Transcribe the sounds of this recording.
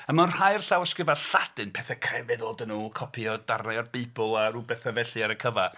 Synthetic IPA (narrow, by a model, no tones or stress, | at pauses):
əmanhajrɬawəskrɪvaɬad̥ɨnpʰɛθɛkʰrɛvɪðoːdənuːkʰɔpʰiɔd̥arnaɔrbebʊlˠaɾubɛθavɛɬɨaɾəkʰəva